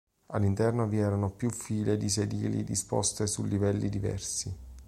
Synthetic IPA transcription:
alːint̪ɛrnoviɛːɾanopjufiːled̪is̬ed̪ḭːlḭd̪ispɔ̰st̪esulːivɛlːid̪ivɛ̰rsi

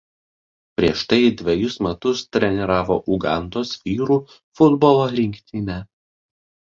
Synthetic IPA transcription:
pʲɾʲiɛʃt̪ɐɪd̪ʲʋʲɛjʊsmʲɛt̪ʊst̪ʲɾʲɛnʲɪɾɑːʋo̰ːʔʊɡɑˑnt̪oːsʋʲiːɾuː | fʊd̪bɔlˠoːlʲɪŋʲkʲt̪ʲɪnʲɛ

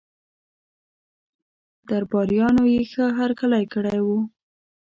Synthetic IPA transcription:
d̪aɾbɑɾjɑnojexəɦaɾkalajkəɽajwu

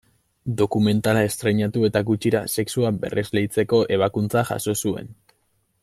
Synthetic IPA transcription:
d̪o̞kume̞nt̪alae̞st̪ɾe̞ɲat̪ue̞t̪aɡut͡ʃiɾa̰se̞ksuabe̞̰rʔe̞zle̞jt͡se̞ko̞ʔe̞β̞akunt͡saʝa̰so̞sue̞̰n

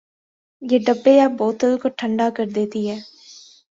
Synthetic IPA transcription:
jeːɖəbːeɛːboːt̪əlkoʈʰə̃ɳɖaːkəɾd̪eːt̪iːɦɛː

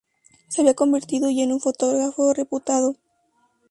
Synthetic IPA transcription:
seaβiako̞mbeɾt̪iðoʝenuɱfo̞t̪o̞ɣɣɾafo̞re̞put̪aðo

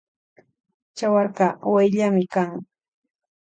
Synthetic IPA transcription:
t͡ʃawɑɾɢɑwajʎamɪkaŋ

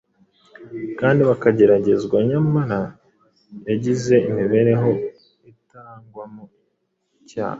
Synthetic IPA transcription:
kaːndiβakaɟe̞ɾaɟe̞zɡwaɲamaɾa | aɟize̞imiβe̞ɾe̞ɦo̞ | itaːŋɡwamu | ica̰ːha

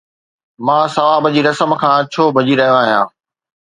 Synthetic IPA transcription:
mãːsɐʋaːbəd͡ʑiːɾɐsəmkʰãːt͡ɕʰoːbʱɐd͡ʑiɾɐɦijõaːɦijã̰ː

